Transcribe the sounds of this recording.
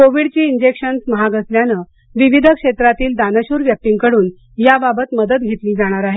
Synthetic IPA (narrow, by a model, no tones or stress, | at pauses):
koʋiɽt͡ɕiːind͡ʑekʂənsməɦaɡəsljanəː | ʋiʋid̪ʱəkʂet̪ɾat̪iːld̪anəɕuːɾʋjək̚t̪iŋɡkəɽuːn | jababət̪məd̪ət̪̚ɡʱet̪liːd͡zaɽ̃aɾaɦe